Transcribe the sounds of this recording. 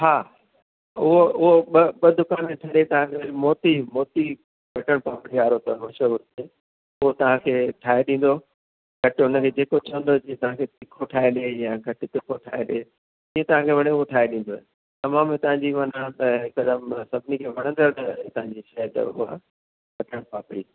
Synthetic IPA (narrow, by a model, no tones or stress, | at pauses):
ɦaː | ʊɦoʊɦoɓɐɓɐd̪ʊkaːnmẽʈʰɐɾet̪ɐʋ̤ãkʰeʋɐɾmɔːt̪imɔːt̪i | bɐʈəɽ̃pãːpɪɽiaːɾot̪ɐmɐʃəʊɾt̪ʰe | ʊɦot̪ɐʋ̤ãkʰeːʈʰaːeɗĩːn̆d̪o | ɡ̥ʱɐʈʊnə̆kʰeːd͡ʑeːkot͡ɕɐʋə̃nd̪od͡ʑiẽt̪ɐʋ̤ãkʰet̪ɪkʰoʈʰaːeɗejaɡʱɐʈɪt̪ɪkʰoʈʰaːeɗe | d͡ʑiːẽt̪ɐʋ̤ãkʰeʋɐɽ̃eʊɦoʈʰaːɦeɗĩːn̆d̪oɛ̰ | t̪ɐmãːmt̪ɐʋãɲd͡ʑiʋɐnat̪ɐɦɪkɐd̪əmsɐbʱɪnikʰeːʋɐɽ̃ə̃nd̪əɾnɐ̃t̪ɐ̃ɦãɲd͡ʑiʃɐt̪ə̰ʊ̰ɦa̰ | bɐʈəɽ̃paːpɪɽiː